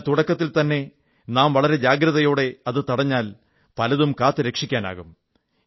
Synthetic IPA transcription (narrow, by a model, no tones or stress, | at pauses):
t̪uɽɐkːɐt̪ːilt̪ɐnːe̞ | naːmʋɐɭɐɾe̞d͡ʑaːɡɾɐðɐjo̞ːɽe̞ɐðɨt̪ɐɽɐɲːaːl | pɐlɐðumkaːt̪ːɨɾekʂikʲːaːna̰ːɣum